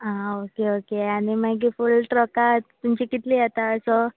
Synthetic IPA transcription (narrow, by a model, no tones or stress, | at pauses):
aokeokeaɽ̃imaɡifulʈɾɔkat̪t̪ːumt͡ɕikit̪lijɛt̪aəsɔ